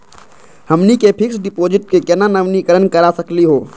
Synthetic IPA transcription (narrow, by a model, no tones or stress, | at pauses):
hɐmnikepʰɪksɖɪpoːd͡ʒɪʈ̚kekɛnanəʋnikəɾənkɐɾasɐkliɦoː